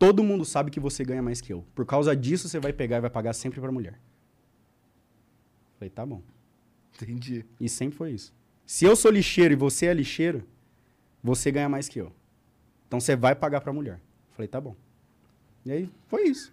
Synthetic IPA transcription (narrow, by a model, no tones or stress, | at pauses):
t̪od̪ʊmũnd̪ʊsabɪkɪvoseɡɐ̃ɲɐmajskɪewpoɾkawzɐd͡ʒisʊsevajpeɡaɾɪvajpaɡaɾsẽmpɾɪpɾɐmuʎɛ̰ɾ | falejt̪abõw̃ | t̪ẽd͡ʒiɪsẽpɾɪfojisʊ̥ | sɪewsoliʃejɾʊɪvoseɛliʃejɾʊ | voseɡɐ̃ɲɐmajskɪḛw | ẽt̪ɐ̃w̃sevajpaɡaɾpɾɐmuʎɛɾ | falejt̪abõw̃ | iaifojisʊ̥